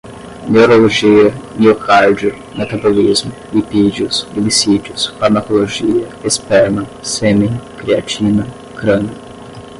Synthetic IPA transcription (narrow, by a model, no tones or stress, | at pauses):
newɾoloʒiɐnokʰaɾd͡ʒʊ | nat̪abolizmʊ | ipid͡ʒiʊsilisid͡ʒʊsfaɾmakoloʒiɐespɛɾnɐsemĩkɾiat͡ʃinɐ | kɾɐ̃nɐ